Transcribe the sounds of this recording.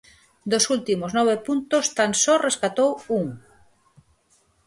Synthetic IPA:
d̪osult̪imoznɔβepunt̪ost̪ansɔreskat̪owuŋ

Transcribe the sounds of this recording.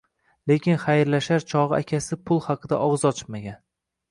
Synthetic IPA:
le̞kʲʰɪnχajɾlaʃaɾt͡ʃʰɒʁɨakʲʰasɪpʰʊlˠhɑqʰɨd̪a̰ʔɒʁzɒt͡ʃʰɪ̥maɡʲan

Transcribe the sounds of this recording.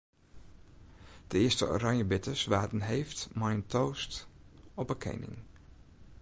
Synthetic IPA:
d̥əɪəstə̰o̰ɾɑŋjəbɪtəsʋaːtən̩ɦejftmajntʰoːstɔpəkʰḛjnɪ̰ŋ

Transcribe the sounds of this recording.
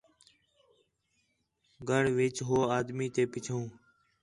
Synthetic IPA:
ɡʱəɽʋɪt͡ʃɦoːaːd̪miːt̪eːpɪt͡ʃʰõː

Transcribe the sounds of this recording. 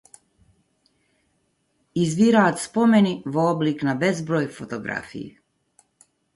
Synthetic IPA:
izbiɾaːt̪spomeniʋoobliknabezbɾoːjfot̪oɡɾa̰fḭjḛ

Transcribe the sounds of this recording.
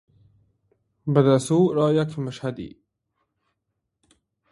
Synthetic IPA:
bəd̪asuːɾɑːjakmʊʃhad̪ḭ

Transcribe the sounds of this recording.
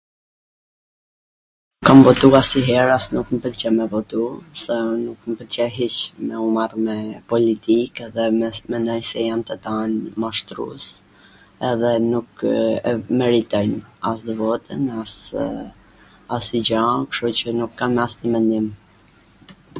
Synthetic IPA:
kamvɔt̪uasiɦɛɾasnukməpəlt͡ɕɛmɛvɔt̪usɛnukməpəlt͡ɕɛɦit͡ʃmɛumarmɛpɔlit̪ikɛðɛmɛnɔjsɛjant̪ət̪anmaʃt̪ɾṵs | ɛðɛnukɛmɛɾit̪ɔjnasd̪əvɔt̪ə̰nas | asid͡ʑakʃɔt͡ɕənukːamɛasnəmɛnd̪im

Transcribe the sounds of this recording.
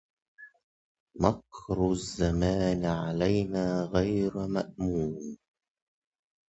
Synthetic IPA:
mɑqɾzːamaːnʕalajnaːɣajɾmaʔmuːm

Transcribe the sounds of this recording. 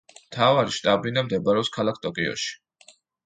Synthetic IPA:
mt̪ʰavaɾiʃt̪ʼabinamd̪ɛbaɾɛɔpskʰalˠak̚ʰt̪ʼɔkʼiɔ̰ʃi̥

